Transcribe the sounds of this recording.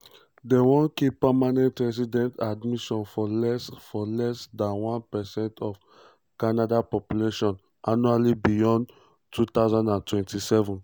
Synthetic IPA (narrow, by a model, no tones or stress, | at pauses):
dewɔ̃nkipamanɛ̃ntɹɛs̬idɛ̃ntadmiʃɔ̃nfɔlɛsfɔlɛsdãnwãnpɛsɛ̃ntʰɔf | kanadapɔpjuleʃɔ̃n | ʔanualibijɔ̃n | tʰut̪aʊzãndãntwɛ̃ntʰisɛvɔ̃n